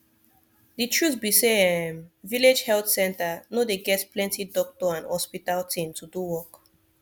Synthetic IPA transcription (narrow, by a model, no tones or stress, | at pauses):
ditʰɹuθbiseɛmviled͡ʒhɛltsɛ̃ntanodeɡɛtplɛ̃ntidɔk̚tɔãnhɔspitaltʰĩmtʰuduwɔk